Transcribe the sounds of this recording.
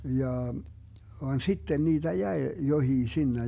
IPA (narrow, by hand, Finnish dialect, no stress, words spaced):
jɑː ʋɑn sitːen niːd̥æ jæe johiː sinːej